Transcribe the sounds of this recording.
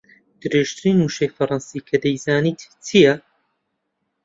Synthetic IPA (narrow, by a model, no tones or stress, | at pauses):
d̪̥ɨɾeʒt̪ʰɨɾiːnːuːʃejfɐɾˤɑnsiːkʰɐd̪ɐjzaːniːt̪ːʰijɐ